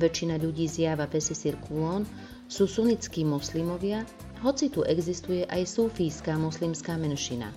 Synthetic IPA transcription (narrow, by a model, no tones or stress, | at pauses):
ʋɛt͡ʃːinaʎuɟiːzjaːʋapɛsɛsiɾkʰulɔn | suːsunit͡skiːmɔslimɔʋɪa | ɦɔt͡sit̪uʔɛɡzist̪ujɛʔajsuːfijskaːmɔslimskaːmɛnʃina̰